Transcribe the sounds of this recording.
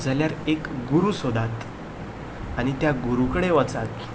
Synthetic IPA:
d͡zʱaljaɾekɡuɾuːsod̪ʱat̪ | aɽ̃it̪jaɡuɾukəɽeʋət͡sat̪

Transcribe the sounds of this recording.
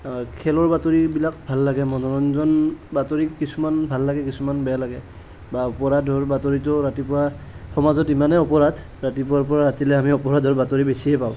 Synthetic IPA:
kʰɛlɔɹbatoɹibilak̚bʱalːaɡɛmɔnɔɹɔnzɔnbatoɹikisumanbʱalːaɡɛkisumanbɛjalaɡɛ | baɔpɔɹadʱɔɹbatoɹitʊɹatipʊɹa | xɔmazɔtimanɛɔpɔɹad | ɹatipɔaɹp̬ɔɹaɹatilɛamiɔpɔɹadʱɔɹbatoɹibesiɛpaʊ̃

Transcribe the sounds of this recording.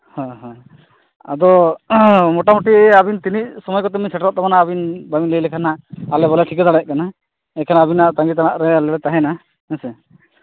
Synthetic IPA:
hãɦã | ad̪ɔ | mɔʈamuʈiabint̪iniʔsɔmɔjkɔt̪ɛmiɲsɛʈɾɔʔ̚t̪ɔmanaːbinbamiŋlejlɛkʰanaʔːlɛbɔlɛʈʰikɔd̪aɽɛʔ̚kana | ɛkʰanaabinaʔt̪aŋɡit̪̬anaʔɾɛalɛɽɛt̪aɦɛ̃na | ɛ̃sɛ

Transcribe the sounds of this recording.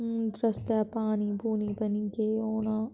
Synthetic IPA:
d̪ɾəst̪aːpaːnibʱuːnibɐniɡeːoːnaː

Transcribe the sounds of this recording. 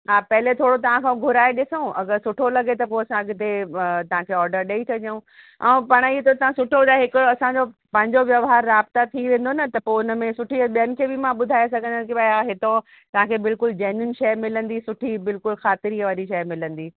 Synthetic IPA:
ɦaːpɐɦlet̪ʰoːɽot̪ɐʋ̤ãkʰãɡʱʊɾaːeɗɪsõɐ̰ɡəɾsʊʈʰolɐɡet̪ɐpoɐsãɐɡɪt̪et̪ɐʋ̤ãkʰeːɔːɾɖəɾɗeːit̪ʰɐd͡ʑũ | ɛ̃ːpɐɽ̃iet̪ɐt̪ɐʋãsʊʈʰod̪aɦɪkʊɐsãd͡ʑopɐ̃ɦɪ̃ɲd͡ʑoʋjɐʋɦaːɾːaːbt̪at̪ʰiʋẽːn̆d̪onɐt̪ɐpoʊnə̆mẽsʊʈʰiɓijənɪ̆kʰeːbɪmãɓʊd̪ʱaːjes̬ɐɡʱə̃nd̪ənkibaaɦɪt̪o | t̪ɐʋ̤ãkʰeːbɪlkʊld͡ʑaːnʊnʃɐjmɪlə̃nd̪isʊʈʰibɪlkʊlxaːt̪ɪɾiʋaːɾiʃɐjmɪlə̃nd̪iː

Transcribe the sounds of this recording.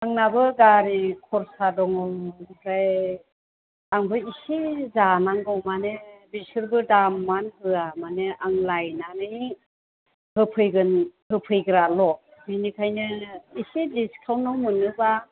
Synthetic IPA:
aŋnabɯɡaɾikʰɔɾsadɔŋɔwkʰɾaj | aŋbɯisizanaŋɡɯwmanebisɯɾbɯdamːankɯamanɯaŋlajnanɯj | hɯpʰɯjɡɯnhɯpʰɯjɡɯɾalɔbinikʰajnɯisidiskʰawnɔwmɯnɯba

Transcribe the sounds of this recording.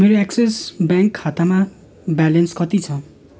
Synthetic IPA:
meɾoɛksesbaŋkʰːat̪ama | bɛlʌnskʌt̪it͡sʰʌ

